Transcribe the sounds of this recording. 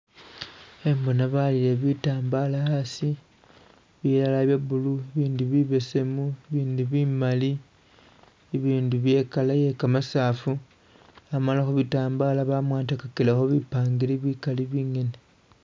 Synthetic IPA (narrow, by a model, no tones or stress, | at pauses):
embonaβalile̞βitaːmbalaasi | βiɾalaβjeβulueβiːnduβiβese̞mueβiːnduβimali | eβiːnduβje̞kalaje̞kamasaːfu | amalaxoβitaːmbalaβamwaːntakakilexoβipaːŋɡiliβikaliβiːŋe̞ne